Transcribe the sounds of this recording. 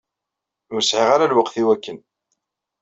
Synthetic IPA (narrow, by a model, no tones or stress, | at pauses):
ʊɾsʕiʁaɾalwəqθiwækːən